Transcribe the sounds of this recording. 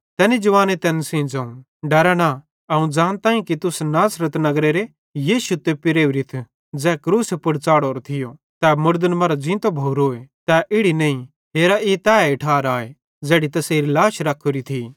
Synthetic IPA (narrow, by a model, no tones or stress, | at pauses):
t̪ɛːnid͡ʒɐʋaːnet̪ɛːnsĩd͡zɐ̃ːũ | ɖɐɾɛna | ɐũd͡ʒaːnt̪ãːĩkit̪ʊsnaːsɾət̪nɐɡɾeɾe | jiːʃut̪ːepɪɾeːʋɾit̪ʰ | d͡zɛːkɾuːsepʊɽt͡saːɽoːɾot̪ʰɪjo | t̪ɛmʊɾd̪ənmɐɾad͡ʒĩːt̪obʱoːɾoːet̪ɛʔɪɽinɐĩ | ɦeːɾaʔit̪ɛːɪʈʰaːɾaːe | d͡zɛːɽit̪ɐseːɾilaːʃɾɐkʰːoɾit̪ʰi